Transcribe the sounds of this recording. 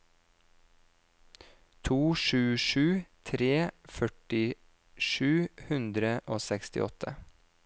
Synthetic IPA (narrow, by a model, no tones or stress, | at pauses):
t̪ʰuːʃʉːʃʉːt̪ʰɾeːfœʈɪ | ʃʉːhʉnd̪ɾəʔoːsɛkst̪ɪ̰ʔɔt̪ʰə̰